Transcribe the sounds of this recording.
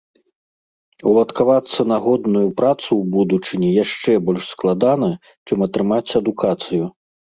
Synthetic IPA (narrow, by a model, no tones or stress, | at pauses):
wlˠɐt̪kavat̪sːɐnaɣɔd̪nujupɾat̪suwbud̪ut͡ʂɨnʲijaʂt͡ʂɛbɔlʲʂsklˠad̪anɐ | t͡ʂɛmɐt̪ɾɨmat͡sʲɐd̪ukat̪sɨju